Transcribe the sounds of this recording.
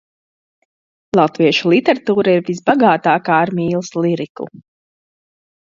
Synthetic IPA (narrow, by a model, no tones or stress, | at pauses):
lˠat̪viɛʃulˠit̪ɛɾat̪uːɾaiɾvis̬baɡaːt̪aːkaːɾmiːlˠslˠiɾikṵ